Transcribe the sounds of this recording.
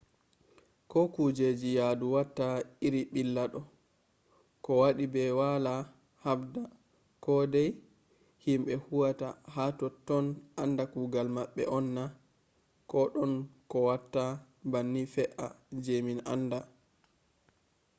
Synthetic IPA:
kɔkud͡ʒed͡ʒijaduwatːaiɾiɓilːaɗɔ | kɔwaɗibɛwala | habda | kɔdɛj | himɓɛhuwatahatɔtːɔnʔandakuɡalmaɓːɛ̰ʔɔnːa | kɔɗɔnkɔwatːa | banːifɛʔa̰d͡ʒemina̰nda

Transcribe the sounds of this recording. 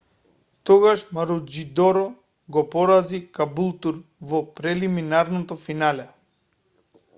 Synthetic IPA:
t̪ɔɡaʃmaɾud͡ʒid̪ɔɾɔ | ɡɔpɔɾazikabulˠt̪uɾvɔpɾɛliminaɾnɔt̪ɔfinalɛ

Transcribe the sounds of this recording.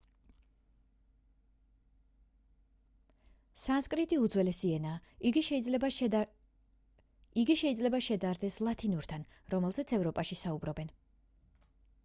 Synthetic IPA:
sanskʼɾit̪ʼiud̪zwɛlɛsiɛnaːɡiʃ | iɡiʃɛid̪zlɛbaʃɛd̪aɾd̪ɛslˠat̪ʰinuɾt̪ʰanɾɔmɛlˠzɛt̪sʰɛvɾɔpʼaʃisaubɾɔbɛn

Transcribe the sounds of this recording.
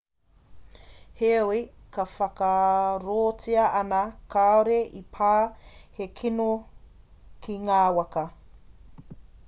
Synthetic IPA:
heoi | kʰɐfɐkɐɾoːt͡siɐʔɐnɐkaoɾeʔipʰaːhekʰino | kʰiŋaːwɐkɐ

